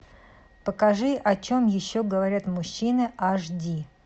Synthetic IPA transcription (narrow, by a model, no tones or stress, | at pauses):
pəkɐʐɨʔɐt͡ɕomjɪɕːoɡəvɐɾʲat̪mʊɕːinɨaʐdʲi